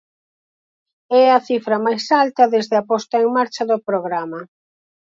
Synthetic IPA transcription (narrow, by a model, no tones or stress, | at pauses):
ɛɐθifɾɐmajsalt̪ɐðezðeapɔst̪aeŋmaɾt͡ʃɐðʊpɾoɣɾamɐ